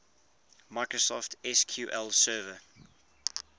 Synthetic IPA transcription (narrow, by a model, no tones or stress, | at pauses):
maɪkɹosɔftʰɛskʰjuːʔɛlsɜːvə